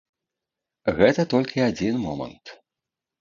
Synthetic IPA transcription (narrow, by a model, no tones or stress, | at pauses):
ɣɛt̪ɐt̪ɔlʲkʲiad͡zʲinmɔmɐ̰nt̪